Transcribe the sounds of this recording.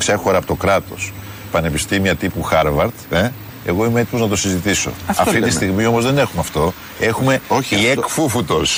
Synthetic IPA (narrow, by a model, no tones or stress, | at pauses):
ksɐxo̞ɾɐpo̞t̪o̞kɾɐt̪o̞̰s | pɐne̞pist̪imiɐt̪ipuxɐɾvɐɾt̪e | eɣo̞ime̞e̞t̪imoznɐt̪o̞sizit̪iso̞̰ɐft̪it̪ist̪iɣmio̞mo̞zðe̞ne̞xumeɐft̪o̞ | e̞xume̞iekfufut̪os